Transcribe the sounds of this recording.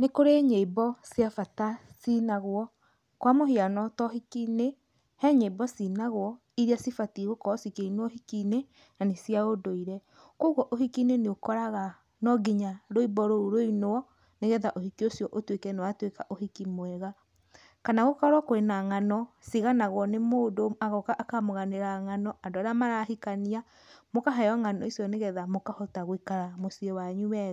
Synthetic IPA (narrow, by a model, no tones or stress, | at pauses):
nekoɾeɲeibɔsjafatasinaɣoɔ | kwamohianɔtɔhikine | hɛɲeibɔsinaɣowɔ | iɾiasifatiɣokɔsikeinɔhikine | nanesjaodoiɾɛ | koɣɔʔohikineneokɔɾaɣa | nɔɡiɲaɾoibɔɾouɾoinoɔ | neɣɛðaʔohikiosjɔʔotwekɛnewatwekaʔohikimwɛɣa | kanaɣokaɾwakoenaŋanɔsiɣanaɣwɔnemoːdoaɣɔkaʔːkamoɣaneɾaŋanɔʔandoaɾeamaɾahikania | mokaɦajɔŋanɔisjɔneɣɛðamokahɔtaɣwikaɾamosiɔwaɲuɛɣa